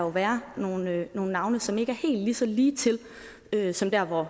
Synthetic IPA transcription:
ɑjo̝ʋæːɐno̝ːn̩no̝ːn̩nɑ̈ʊnəsɒ̽me̝ɡ̥əæɐhe̝̰ːld̥lisɒ̽liːt͡sʰe̝l | øsɒ̽md̥æɐ̰ʋɒ

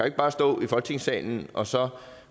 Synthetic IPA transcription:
æe̝ɡ̥əb̥ɑ̈ːsd̥ɔ̰ːifɒlɡ̥̚t͡sʰe̝ŋsɛ̰ːln̩ʔɒ̽sɒ̽

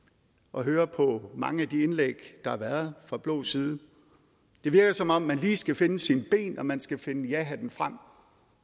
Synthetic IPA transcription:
ʔɒ̽ɦøːɐpʰɒ̽mɑ̈ŋəæd̥ienleɡ̥d̥ɑ̈hɑ̈ʋæːɐðˠfʁɑ̈b̥lɔ̰ːsiːð̞ˠ | d̥e̝ʋiɐɡ̥ɐsɒ̽mɒ̽m̰ːænliːsɡ̥æfe̝nəsinb̥e̝̰ːnɒ̽mænsɡ̥æfe̝nəjæɦæd̥enfʁam̰

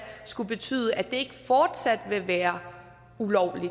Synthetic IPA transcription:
sɡ̥ub̥e̝t͡sʰy̰ːð̞ˠəʔæd̥e̝e̝ɡ̥əfɒːd̥sæd̥ʋe̝ʋæːɐ | ulɒʊ̰li

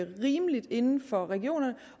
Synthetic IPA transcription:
əʁiːməlid̥e̝nn̩fɒ̽ʁɛɡ̥io̝̰ːnɐnə

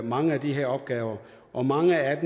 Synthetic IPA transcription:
mɑ̈ŋəæd̥iɦe̝ɐɒ̽b̥̚ɡ̥ɛːʊɐ | ʔɒ̽mɑ̈ŋəæd̥

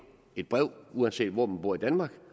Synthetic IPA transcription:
e̝d̥̚b̥ʁɛʊ̰uænse̝̰ːd̥ʋɒ̰m̥n̩b̥uɐ̰id̥ænmɑ̈ːɡ̥

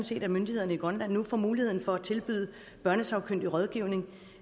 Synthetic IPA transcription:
n̩se̝̰ːd̥æmønd̥ihe̝ð̞̰ˠɐnəiɡ̥ʁɒnlæn̰ːufɒ̰muːlihe̝ð̞̰ˠn̩fɒ̽æt͡sʰe̝lb̥yðˠ | b̥ɶɐnəsɑ̈ʊkʰøn̰d̥iʁɒ̽ðˠɡ̥iʊ̰ne̝ŋ

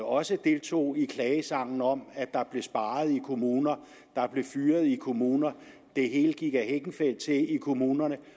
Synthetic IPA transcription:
ɒ̽səd̥e̝lt͡sʰo̝̰ːikʰlɛːəsɑ̈ŋ̰n̩ɒ̽mæd̥ɑ̈b̥le̝sb̥ɑ̈ːð̩ˠikʰo̝muːnɐ | d̥ɑ̈b̥le̝fyːɐð̞̩ˠikʰo̝muːnɐ | d̥e̝ɦe̝̰ːl̥ɡ̥iɡ̥æɦeɡ̥n̩fel̰d̥̚t͡sʰe̝ikʰo̝muːnɐnə

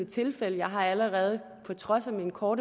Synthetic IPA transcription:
ət͡sʰe̝lfeləjɑ̈ɪɦɑ̈æləʁɛːð̞ˠ | pʰɒ̽t͡sʰʁɒ̽sæminkʰɒːɾ

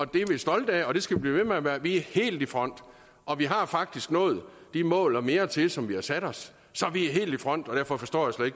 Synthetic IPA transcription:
ɒ̽d̥e̝ʋe̝sd̥ɒ̽ld̥əɛɒ̽d̥e̝sɡ̥æʋib̥lḭːʋemeæʋæːɐʋiæɐhe̝̰ːld̥ifʁɒ̽n̰d̥ | ʔɒ̽ʋiɦɑ̈fɑ̈ɡ̥̚d̥isɡ̥nɔ̰ːð̩ˠd̥imɔ̰̽ːlɒme̝ːɐt͡sʰe̝sɒ̽mʋihɑ̈sæɾ̥ɒ̽sː | ɒ̽ʋiæɦe̝̰ːld̥ifʁɒ̽n̰d̥ɒ̽d̥æɐfɒ̽fɒ̽sd̥ɒ̰ːjasled̥eɡ̥

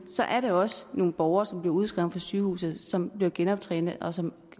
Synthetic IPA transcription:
sɒ̽ʔæɐɾeɒ̽səno̝ːn̩b̥ɒʊɐːsɒ̽mb̥liɐuð̞ˠsɡ̥ʁɛʊn̩fɒsyːhṵːsð̩ˠsɒ̽mb̥liɐɡ̥enɒ̽b̥̚t͡sʰʁɛ̰ːnð̩ˠʔɒ̽sɒ̽m

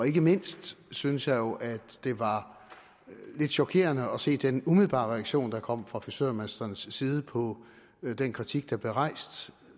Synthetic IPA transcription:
ɒ̽e̝ɡ̥əme̝n̰sd̥synəsjɑ̈ɪjo̝ʔæ̥d̥e̝ʋɑ̈ | le̝d̥ɕɒ̽kʰe̝̰ːɐnəɒse̝̰ːd̥enumið̞̩ˠb̥ɑ̰̈ːʁɛæɡ̥ɕo̝̰ːnd̥ɑ̈kʰɒ̽m̰fʁɑ̈fisø̰ɐ̰mesd̥ɐnsːiːð̞ˠəpʰɒ̽ | d̥enkʰʁit͡sʰiɡ̥d̥ɑ̈b̥le̝ʁɑ̈ɪ̰sd̥

